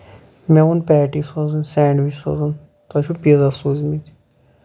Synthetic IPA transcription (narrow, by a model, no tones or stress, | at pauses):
mɛunpɛːʈisozunsɛːɳɖʋit͡ʃso̰zun | t̪ɐt͡ʃʰupizɐsuːzmit̪